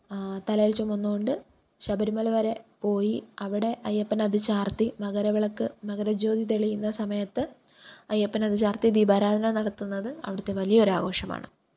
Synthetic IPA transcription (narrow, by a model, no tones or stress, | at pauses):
t̪ɐlɐjɐɭt͡ɕomːonːuɣo̞ɳɖɨ | ɕɐbɐɾumɐlɐʋɐɾe̞po̞ːjiɐʋiɽe̞ʔɐjːɐpːɐnɐðɨt͡ɕaːrt̪imɐɣɐɾɐʋiɭɐkːɨmɐɣɐɾɐd͡ʑo̞ːd̪it̪eɭijunːɐsɐmɐjɐt̪ːɨ | ɐjɐpːɐnɐðɨt͡ɕaːrt̪id̪ibaːɾaːd̪ʱɐnɐnɐɽɐt̪ːunːɐðɨɐ̰ʋiɽɐt̪ːe̞ʋɐlijɐo̞ɾaːɣo̞ːʂɐma̰ːɳɨ̰